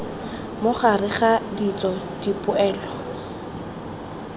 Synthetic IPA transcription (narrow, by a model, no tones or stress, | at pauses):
mʊχarɪχadit͡sʼɔdipʼʊɛːlɔ